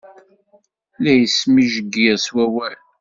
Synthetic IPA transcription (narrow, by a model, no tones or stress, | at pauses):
læjəsmiʒəɡiʁswæwæl